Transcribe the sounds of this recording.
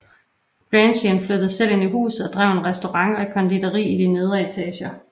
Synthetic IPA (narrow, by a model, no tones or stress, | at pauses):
b̥ʁɛnɕənflød̥ɐsel̰e̝niɦṵːs̩ˠɒd̥ʁɑʊenʁɛsd̥o̝ʁɑ̈ŋɒ̽ekʰɒ̽nd̥id̥ɐʁḭːid̥ine̝ð̞ˠɐe̝t͡sʰɛ̰ːɕɐ